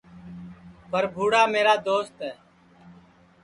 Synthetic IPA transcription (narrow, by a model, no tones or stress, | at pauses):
pəɾbʱuːɽaːmeːɾaːd̪oːst̪ɦɛː